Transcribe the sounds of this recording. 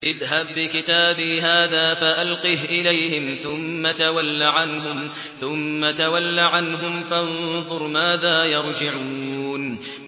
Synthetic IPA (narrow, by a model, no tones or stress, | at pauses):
ʔɪðɦabːɪkɪt̪aːbiːɦaːðaːfaʔalqiːhʔɪlajhɪmθʊmːat̪awalːaʕanɦʊm | θʊmːat̪awalːaʕanɦʊmfanðˤʊɾˤmaːðaːjɑɾˤd͡ʒɪʕuuːn